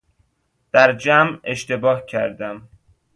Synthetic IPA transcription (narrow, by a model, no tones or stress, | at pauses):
d̪̥æɾd͡ʒæme̞ʃt̪ebɒːhcʰæɾd̪æm